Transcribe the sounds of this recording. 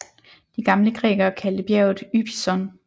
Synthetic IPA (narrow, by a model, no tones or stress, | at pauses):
d̥iɡ̥ɑ̈mləɡ̥ʁɛ̰ːɡ̥ɐkʰæld̥əb̥jæɐʊð̩ˠyb̥ʰisɒn